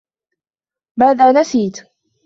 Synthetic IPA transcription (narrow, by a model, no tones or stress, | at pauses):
baːd̪aːnasiːt̪